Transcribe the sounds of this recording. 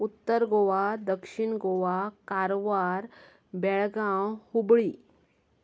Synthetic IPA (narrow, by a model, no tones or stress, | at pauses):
ut̪ːəɾɡoʋad̪əkʂiɳɡoʋakaɾʋaɾ | bɛɭɡãwhubɭiː